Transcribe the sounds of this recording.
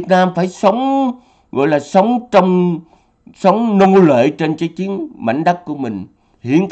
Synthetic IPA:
ət̚naː˧mfaː˧˩jsə˨˦wŋ͡m | ɣɔ̰˧˨jlaː˨˩sə˨˦wŋ͡mt͡ɕɔ˧wŋ͡m | sə˨˦wŋ͡mno˧lḛː˧˨jt͡ɕe˧nt͡ɕəː˨˦t͡ɕi˨˦ənma̰˧˨jŋ̟ɗa˦˥k̚ku˧˩əmï˨˩ŋ̟ | hḭ˧˨ənk

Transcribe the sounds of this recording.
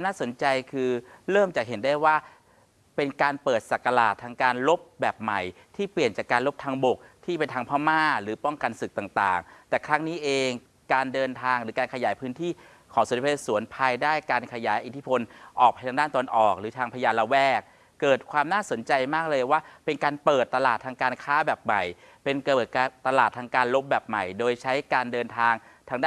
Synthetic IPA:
mnaː˥˩so˩˦nt͡ɕa˧jkʰɯː˧ɾɤː˥˩mt͡ɕaː˨˩k̚ɦe˩˦ndaː˥˩jwaː˥˩ | pe˧nkaː˧npɤː˨˩t̪̚sa˨˩kːa˧la̰ː˨˩t̪ʰːaː˧ŋkaː˧nlo˦˥p̚bɛː˨˩p̚ma˨˩j | t̪ʰiː˥˩pli˨˩ənt͡ɕaː˨˩kːaː˧nlo˦˥p̚t̪ʰaː˧ŋbo˨˩k̚t̪ʰiː˥˩pe˧nt̪ʰaː˧ŋpʰaː˥˩maː˥˩ɾɯː˩˦pɔ˥˩ŋka˧nsɯ˨k̚t̪a˨˩ŋt̪a̰ː˨˩ŋt̪ɛː˨˩kʰɾa˦˥ŋniː˦˥ʔeː˧ŋ | kaː˧ndɤː˧nt̪ʰaː˧ŋɾɯː˩˦˥kaː˧nkʰa˧jaː˩˦jpʰɯː˦˥nt̪ʰiː˥˩ | kʰɔː˩˦su˨˩˦pʰe˧˥˧su˩˦ənpʰaː˧jdaː˥˩jkaː˧nkʰa˧jaː˩˦jʔi˨˩t̪ʰi˦˥pʰo˧nʔɔː˨˩k̚ʰa˧jt̪ʰa˧daː˥˩nt̪ːnʔɔː˨˩k̚ɾɯː˩˦t̪ʰaː˧ŋpʰa˧jaː˧la˧wɛː˥˩k̚ː | ɤː˨˩t̪̚kʰwaː˧mnaː˥˩so˨˩˦nt͡ɕa˧jmaː˥˩k̚lɤː˧jwaː˥˩pe˧nkaː˧npɤː˨˩t̪ːa˧laː˨˩t̪ʰːaː˧ŋkaː˧nkʰaː˦˥bɛː˨˩p̚ma˨˩j | pe˧nkɤ˨˩t̪̚a˧t̪ːa˧laː˨˩t̪ʰːaː˧ŋkaː˧nlo˦˥p̚bɛː˨˩p̚ma̰˨˩jdoː˧jt͡ɕʰa˦˥jkaː˧ndɤː˧nt̪ʰaː˧ŋt̪ʰaː˧ŋdaː˥˨

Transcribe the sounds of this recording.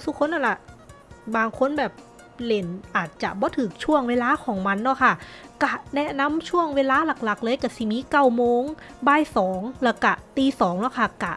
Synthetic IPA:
sʰu˧˩kʰo˧˥˨nːʔa˧˩nla˧˩ʔ | baː˧ŋkʰo˧˥nbɛː˨˩p̚ | le˨˩nʔaː˨˩t̪̚t͡ɕa̰˨˩ʔbɔː˧˦t̪ʰɯː˨˩˦k̚t͡ɕʰu˥˩əŋweː˧˥laː˧˥kʰɔː˨˩˦ŋma˧˥nːɔ˧˥˩kʰa˧˥˩ka˧˩nɛ˦˥na˧˥˨mt͡ɕʰu˥˩əŋweː˧˥laː˧˥la˨˩k̚la˨˩k̚lɤː˧˨jka˧˩si˧˩miː˧˥ka˧˩wmoː˧ŋ | baː˧˩jsɔː˩˦ŋlɛ˧˩ka˧˩t̪iː˧˩sɔː˩˦ŋlɔ˧˥˩kʰa˧˩ka˧˩

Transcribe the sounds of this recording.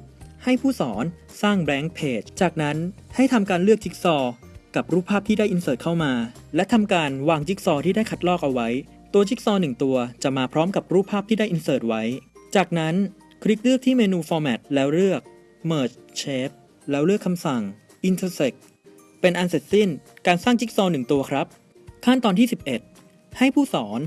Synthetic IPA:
ha˥˩jpʰuː˥˩sɔː˩˦n | saː˥˩ŋbɛː˦˥ŋpʰeː˨˩tt͡ɕaː˨˩k̚na˦˥nha˥˩jt̪ʰa˧mkaː˧nlɯ˥˩ək̚t͡ɕʰi˦˥k̚sɔː˧ | ka˨˩p̚ɾuː˥˩pʰːaː˥˩t̪ʰiː˥˩daː˥˩jʔi˧nsɤː˨˩t̪̚kʰa˥˩wmaː˧lɛ˦˥wt̪ʰa˧mkaː˧nwaː˧ŋt͡ɕi˦˥k̚sɔː˧t̪ʰiː˥˩daː˥˩jkʰa˦˥t̪̚lɔː˥˩k̚ʔa˧wa˦˥j | t̪u˧ɐt͡ɕi˦˥k̚sɔː˧nɯ˨˩ŋt̪u˧ɐt͡ɕa˨˩maː˧pʰɾɔː˦˥mka˨˩p̚ɾuː˥˩pʰːaː˥˩p̚t̪ʰiː˥da˥˩jʔi˧nsɤː˨˩t̪̚wa˦˥jt͡ɕaː˨˩k̚na˦˥n | kʰɾi˦˥k̚lɯ˥˩k̚t̪ʰiː˥˩meː˧nuː˧fɔː˧mɛː˨˩t̪̚lɛː˦˥wɾɯ˥˩ək̚ | mɤː˨˩t̪̚t͡ɕʰeː˦˥p̚ | lɛː˦˥wɾɯ˥˩əkʰːa˧msa˨˩ŋ | ʔi˧nt̪ʰəː˧se˨˩k̚ | pe˧nʔa˧nse˨˩t̪̚si˥˩nkaː˧nsaː˥˩ŋt͡ɕi˦˥k̚sɔː˧nɯ˨˩ŋt̪u˧ɐkʰɾa˦˥p̚ | kʰa˥˩nt̪ɔː˧nt̪iː˥˩si˨˩p̚ʔe˨˩t̪̚ | ha˥˩jpʰuː˥˩sɔː˩˦n

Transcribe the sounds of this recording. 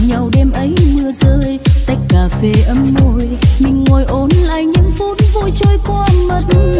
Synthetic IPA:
ɲa˨˩wɗɛ˧mʔə˨˦jmɨ˧əzəː˧˨jt̪a˨˦˥jk̟̚kːaː˧˨˩fe˧˩ʔə˨˧mːo˧jɲɨ˧ŋːo˨˩jʔo˨˦nla̰ː˧˨jɲɨ˧˥ŋfo˨˦nvo˧jt͡ɕo˧˩jka˧ʔə˧mmə˨˩t̚

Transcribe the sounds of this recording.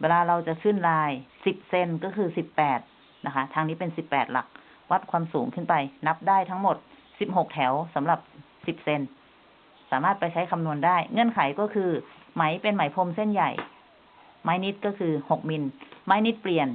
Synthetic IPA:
weː˧laː˧ɾa˧wt͡ɕa˨˩kʰɯː˥˩˨nlaː˧jsi˨˩p̚se˧˩nkɔː˥˩kʰɯː˧si˨˩pːɛː˨˩t̪̚ | na˦˥kʰa˦˥t̪ʰaː˧ŋniː˦˥pe˧nsi˨˩pːɛː˨˩t̪̚la̰˨˩k̚ | wa˦˥t̪̚kʰwaː˧msuː˩˦ŋkʰɯ˥˩npa˧jna˦˥p̚daː˥˩jt̪ʰa˦˥ŋmo˨˩t̪̚si˨˩p̚ho˨˩k̚t̪ʰɛ˩˦wsa˩˦mla˨˩p̚ | si˨˩p̚se˧n | saː˩˦maː˥˩t̪̚pa˧jt͡ɕʰa˦˥jkʰa˧mnu˧əndaː˥˩jŋɤ˧˥˨nkʰa˨˩˦jkɔː˥˩kʰɯː˧ | ma˩˦jpe˧nma˨˩˦jpʰo˧mse˥˩nja̰˨˩j | maː˦˥jni˦˥t̪̚kɔː˥˩kʰɯː˧ho˨˩k̚mi˧nmaː˦˥jni˦˥t̪̚pli˨˩ən

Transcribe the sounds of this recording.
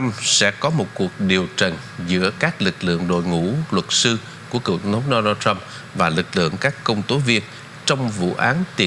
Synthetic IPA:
msɛ̰˧˥kɔ˨˦mo˨˩t̚ku˨˩ək̚ɗi˨˩əwt͡ɕə˨˩n | zɨ̰˧˥əkaː˦˥k̚lɨ˨˩k̚lɨ̰˧˨əŋɗo̰˧˨jŋṵ˧˥lwə˨˩t̚sɨ˧ | ku˧˩əkə̰˨˧˩wtwŋ͡mt̪ʰə˨˦wɗo˧naː˧ta˧m | vaː˨˩lɨ˨˩k̚lɨ̰˧˨əŋkaː˦˥kːə˧wŋ͡mt̪o˨˦vi˧ən | t͡ɕɔ˧wŋ͡mvṵ˧˨ʔaː˨˦nt̪i˨˩

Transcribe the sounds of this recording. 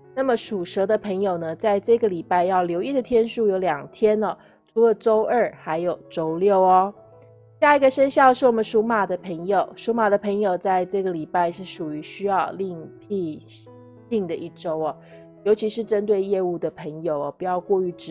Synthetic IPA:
na˥˩mə˩ʂu˨˩ʂɤ˧˥d̪ə˧pʰə˧˥ŋjo˨˩ʊnə˦t͡sa˥˧ɪʈ͡ʂɤ˥˩ɡə˩li˨˩pa˥˧ɪjɑ˥˩ʊljo˧˥ʊi˥˩d̪ə˩t̪ʰjɛ˥nʂu˥˩jo˧˥ʊljɑ˨˩ŋt̪ʰjɛ˥nɐ˨ | ʈ͡ʂʰu˧˥lə˨ʈ͡ʂo˥ʊʔə˞˥˩xa˧˥ɪjo˨˩ʊʈ͡ʂo˥ʊljo˥˩ʊɐ˦ | ɕja˥˩i˧˥ɡə˨ʂə˥nɕjɑ˥˧ʊʂɻ̩˥˩wɔ˨˩mə˦nʂu˧˥ma˨˩d̪ə˩pʰə˧˥ŋjo˨˩˦ʊʂu˥ma˨˩d̪ə˩pʰə˧˥ŋjo˨˩ʊt͡sa˥˧ɪʈ͡ʂɤ˥˩ɡə˩li˨˩pa˥˧ɪʂɻ̩˥˩ʂu˨˩y˧˥ɕy˥jɑ˥˧ʊli˥˧ŋpʰi˥˧ | ɕi˥˩ŋd̪ə˩ʔi˥˩ʈ͡ʂo˥ʊɐ˨ | jo˧˥ʊt͡ɕʰi˧˥ʂɻ̩˥˩ʈ͡ʂə˥nt̪̬we˥˧ɪjɛ˥˧u˥˩d̪ə˩pʰə˧˥ŋjo˨˩ʊɐ˦pu˧˥jɑ˥˧ʊkwɔ˥˧y˧˥˩ʈ͡ʂ̩˨

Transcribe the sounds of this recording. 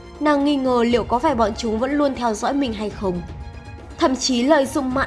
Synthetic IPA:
naː˨˩ŋːi˧ŋəː˨˩lḭ˧˨əwkɔ˨˦faː˧˩jɓɔ̰˧˨nt͡ɕʊ˨˦ŋ͡mvə̰˧˥nlu˧ənt̪ʰɛ˧wzɔ̰ː˧˥jmï˨˩ŋ̟ɦa˧jxə˧wŋ͡m | t̪ʰə̰˧˨mt͡ɕi˨˦lə̰ː˧˨jzʊ̰˧˨ŋ͡mma̰ː˧˨

